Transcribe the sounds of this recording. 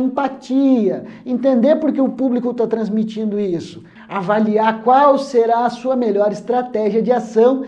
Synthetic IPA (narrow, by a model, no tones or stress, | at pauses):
ĩmpat͡ʃiɐẽnt̪ẽnd̪eɾpoɾkeʊpublikʊt̪at̪ɾɐ̃zmit͡ʃĩnd̪ʊisʊ̥ | avaliaɾkwawseɾaɐsuɐmeʎɔɾɪst̪ɾat̪ɛʒiɐd͡ʒɪasɐ̃w̃